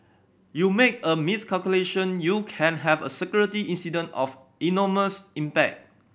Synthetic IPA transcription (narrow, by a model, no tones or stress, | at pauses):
jumekəmiskʰalkjuleʃə̃njukʰɛ̃nɦɛvə̰sɛkjuɹitiʔĩnsidə̃ntɔf | inɔməsĩmpɛk̚t̚